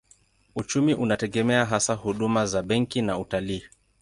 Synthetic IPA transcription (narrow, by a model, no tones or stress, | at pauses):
ut͡ʃumiʔunatɛɠɛmɛaɦasahuɗumazaɓɛŋkinautaliː